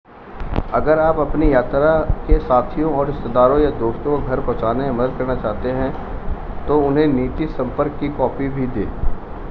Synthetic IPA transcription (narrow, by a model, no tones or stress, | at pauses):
ɐɡəɾaːpɐpnijaːt̪ɾakesaːt̪ʰijõɔːɾɪst̪ed̪aːɾõjad̪oːʃt̪õkɡʱɐɾpɔ̃ːt͡ʃaːnememɐd̪əd̪̚kɐɾnat͡ʃaːɦt̪eɦɛ̃ | t̪oʊnɦẽniːt̪isɐ̃mpəɾkːikɔːpibʱid̪ḛː